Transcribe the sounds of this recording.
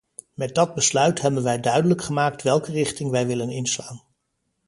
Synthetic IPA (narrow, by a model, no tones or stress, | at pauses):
mɛd̚dɑd̚bəslœɥtɦɛbənʋɛjdœɥdələkχəmaːk̚tʋɛlˠkərɪχtɪŋʋɛjʋɪlənɪnslaːn